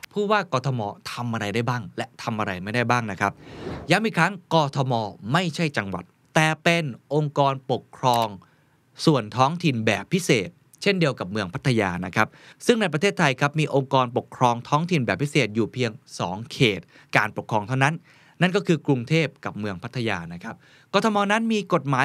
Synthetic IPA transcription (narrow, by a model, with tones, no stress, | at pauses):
pʰuː˥˩waː˥˩kɔː˧t̪ʰɔ˧mɔː˧t̪ʰa˧mʔa˧ɾa˧jda˥˩jbaː˥˩ŋlɛ˦˥t̪ʰa˧mʔa˧ɾa˧jma˥˩jda˥˩jbaː˥˩ŋna˦˥kʰa˦˥p̚ja˦˥mʔiː˨˧˩kʰɾa˦˥ŋkɔː˧t̪ʰɔ˧mɔː˧ma˥˩jt͡ɕʰa˥˩jt͡ɕa˧ŋwa̰˨˩t̪ːɛː˨˩pe˧nʔo˧ŋkɔː˧npo˨˩kʰɾɔː˧ŋ | su˨˩ənt̪ʰɔː˦˥ŋt̪ʰi˧nbɛ̰ː˨˩pʰːi˦˥seː˨˩t̪̚ | t͡ɕʰe˥˩ndi˧əwka˨˩p̚mɯ˧əŋpʰa˦˥t̪ʰːa˧jaː˧na˦˥kʰa˦˥p̚sɯ˥˩ŋna˧jp̬ɾa˧e˥˩t̪ʰːa˧jkʰa˦˥p̚miː˧ʔo˧ŋkɔː˧npo˨˩kʰɾɔː˧ŋt̪ʰɔː˦˥ŋt̪ʰi˨˩nbɛː˨˩pʰːi˦˥seː˨˩t̪̚juː˨˩pʰi˧əŋsɔ̰ː˩˦ŋkʰeː˨˩t̪̚ | kaː˧npo˨˩kʰɾɔː˧ŋt̪ʰa˥˩wna˦˥nː | a˥˩nkɔː˥˩kʰɯː˧kɾu˧ŋt̪ʰeː˥˩p̚ka˨˩p̚mɯ˧əŋpʰa˦˥t̪ʰːa˧ja̰ː˧na˦˥kʰa˦˥p̚ | kɔː˧t̪ʰɔ˧mɔː˧na˦˥nmiː˧ko˨˩t̪̚maː˨˦